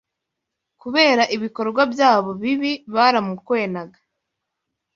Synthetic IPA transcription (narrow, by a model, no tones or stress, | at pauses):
kuβe̞ːɾaʔiβiko̞ɾɡwabjaːβo̞βiβiβaːɾamukwe̞ːnaɡa